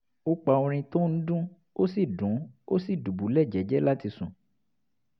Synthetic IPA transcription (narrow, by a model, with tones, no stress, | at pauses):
o˦k͡pa˧˨õ˧ɾ̃ĩ˧to˦n̩˦dũ˦ | o˦si˦˨dũ˨˦o̰˦si˦˨du˨bu˨˦lɛ˦˨d͡ʒɛ˨˦d͡ʒɛ˦la˦ti˧sũ˨